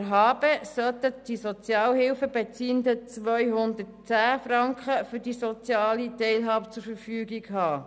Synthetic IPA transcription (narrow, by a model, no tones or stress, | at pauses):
ɦɑːb̥əsœt̪əd̥isɔt͡sjɑːlɦɪlfəbet͡siːənd̪ət͡sʋœʏɦʊnd̪ətt͡sæːfɾɑŋkχəfʏdisɔt͡sjɑːlit̪ɛɪlɦɑːbət͡sʊɾfəɾfyːɡiɡhɑː